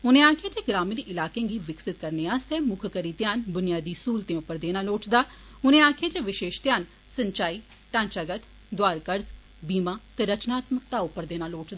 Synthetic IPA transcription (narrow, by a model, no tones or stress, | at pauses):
ʊnẽːaːkʰjeːt͡ʃeːɡɾaːmɪnɪlaːkẽːɡiːʋɪksɪt̪kəɾneaːst̪eːmʊkʰkəɾiːt̪jaːnbʊnijaːd̪iːsuːlt̪ẽːʊpːəɾd̪eːnaːloːʈd̪aː | ʊnẽːaːkʰed͡ʒeːʋɪʃeːʃt̪jaːn | səɲt͡ʃaːiː | ʈãːnt͡ʃaːɡət̪ | d̪waːɾkəɾz | biːmaːt̪eːɾət͡ʃnaːt̪mək̚t̪aʊpːəɾd̪eːnaːloːʈd̪aː